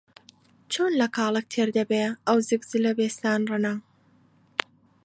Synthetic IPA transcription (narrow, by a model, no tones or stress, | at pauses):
t͡ʃʰoːnlɐkʰɑːlˠɨk̚t̪ʰeːɾd̪ɐbeʔɐwzɨkzɨlɐbeːst̪aːnrɨnɐ